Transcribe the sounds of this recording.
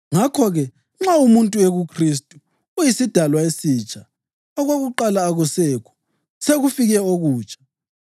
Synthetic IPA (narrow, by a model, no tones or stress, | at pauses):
ŋakʰɔɣɛ | ŋ͡ǁaumuntʼueɣukʰristʼu | ujisid̥ʱalwaesiːt͡ʃʼa | ɔɣwaɣuǃalaːɣusɛkʰɔ̥ | seɣufiɣɛoɣuːt͡ʃʼʰḁ